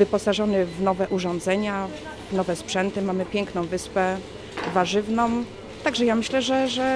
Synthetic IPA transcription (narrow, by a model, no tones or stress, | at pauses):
vɘpɔsaʐɔnɘvnɔvɛʔuʐɔ̃nd̪zɛɲa | vnɔvɛspʂɛnt̪ɘmamɘpʲjɛŋknɔ̃w̃vɘspɛ | vaʐɘvnɔ̃m | t̪aɡʐɛjamɘɕlɛʐɛʐɛ